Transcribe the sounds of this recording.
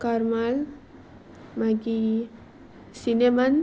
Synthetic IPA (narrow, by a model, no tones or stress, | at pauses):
kaɾmal | maɡi | sineman